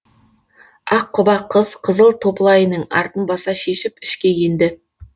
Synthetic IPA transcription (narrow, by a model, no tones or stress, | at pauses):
ɑqʰːʊbɑqʰəzqʰəzəlˠt̪ʰo̞pəlˠɑjənəɴɑ̰ɾt̪ənbɑsɑʃe̞ʃɪpɪ̥ʃkʲe̞je̞nd̪ɪ